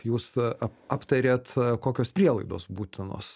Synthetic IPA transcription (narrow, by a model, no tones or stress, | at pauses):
juːsɑːpt̪ɐɾʲeːt̪koːkʲoːspʲɾʲiɛlˠɐɪd̪oːsbuːt̪ʲɪno̰ːs